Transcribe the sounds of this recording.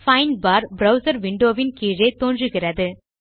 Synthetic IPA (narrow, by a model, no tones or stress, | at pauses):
fɐɪnbaːɾbɾɐʊsɐɾʋɪɳɖoːʋɪnkiːɾɐɪt̪oːndrɯɣɪrɐðɯ